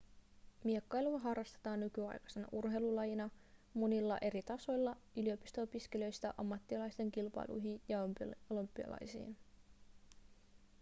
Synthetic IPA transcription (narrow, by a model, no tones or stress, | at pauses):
miekːɑjluɑɦɑrːɑst̪et̪ɑːnːykyɑ̰jkɑ̥se̞nɑ̰ʔurɦe̞jlulɑjinɑmo̞nilːɑʔe̞ɾit̪ɑso̞jlːɑylio̞pist̪oopiske̞lø̞jst̪æʔɑmːɑt̪ːiɑlɑjst̪e̞ŋkilpɑ̰jlṵjɦinjɑolompːiɑ̰lɑ̰jsḭːn